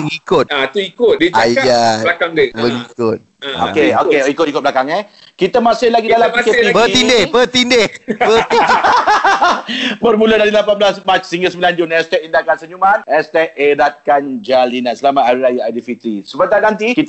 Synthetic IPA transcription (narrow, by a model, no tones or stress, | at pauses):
əŋikʊt̪at̪uikʊt̪̚diaalakaŋdibəŋikʊt̪̚ | o̰keokeikʊt̪̚ikʊt̚blakaŋɛ | kit̪əmasɪlaɡidalamppikeibət̪indehbət̪indehbət̪i | bərmulədaɾilapanblasmat͡ʃsiŋɡəsəmbiland͡ʒʊnɛst̪ɛk̚indakansəɲumanɛst̪ɛk̚eɾat̪̚kand͡ʒalinasəlamat̪aɾiɾajaadifit̪ɾisəbət̪anant̪ikit̪